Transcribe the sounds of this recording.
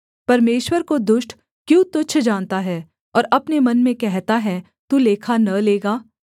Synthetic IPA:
pɐɾmeːʃwəɾkod̪ʊʃʈ | kjũːt̪ʊt͡ʃʰd͡ʒaːnt̪aɦɛː | ɔːɾɐpnemɐnmẽkɛɦt̪aɦɛ | t̪uleːkʰanɐleːɡaː

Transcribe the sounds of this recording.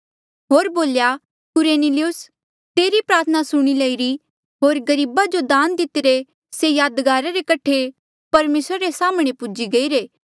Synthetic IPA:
ɦoːɾboːlja | kʊɾeːnɪliʊs | t̪eːɾipɾaːɾt̪ʰənasʊɽ̃ilɐiɾi | ɦoːɾɡɐɾiːbad͡ʒod̪ãːnd̪ɪt̪ɪɾe | sejaːd̪ɡaːɾaɾekɐʈʰːe | pɐɾmeːsɾaɾesaːmɽ̃epʊd͡ʒiɡɐiːɾeː

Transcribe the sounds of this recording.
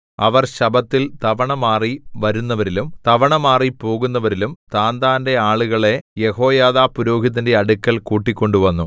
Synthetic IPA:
ɐʋɐrɕɐbɐt̪ːilt̪ɐʋɐɳɐmaːriʋɐɾunːɐʋɐɾilumt̪ɐʋɐɳɐmaːripo̞ːɣunːɐʋɐɾilumt̪aːnd̪aːnde̞aːɭuɣɐɭe̞je̞ho̞ːjaːðaːpuɾo̞ːɡʱiðɐnde̞ɐɽukːɐlkuːʈːikʲːo̞ɳɖuʋɐnːu

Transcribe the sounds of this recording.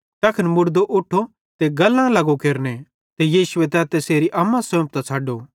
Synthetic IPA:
t̪ɐːkʰənmʊɽd̪oʔʊʈʰːo | t̪eɡɐlːãlɐɡokeːɾne | t̪ejiːsʊet̪ɛːt̪ɛseːɾiʔɐmːãsõːp̚t̪at͡sʰaːɖo

